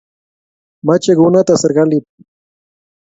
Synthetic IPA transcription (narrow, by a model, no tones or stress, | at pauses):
mat͡ʃeɡʊnat̪aseɾɢɑlɪp̚